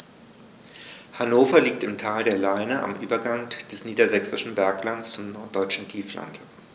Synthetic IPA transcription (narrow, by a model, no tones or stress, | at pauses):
hanoːfɐliːk̚tɪmtʰaːldeːɐlaɪnəʔa̰mʔyːbɐɡaŋd̥ɛsniːdɐzɛksɪʃn̩bɛɐklant͡st͡sʊmnɔɐt̚d̥ɔʏt͡ʃn̩tʰiːfla̰nt